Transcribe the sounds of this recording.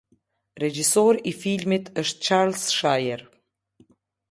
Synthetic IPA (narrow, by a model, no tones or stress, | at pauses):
rɛd͡ʒisɔɾifilmit̪ʰəʃt̪̚t͡ʃaɾlsʃajəɾ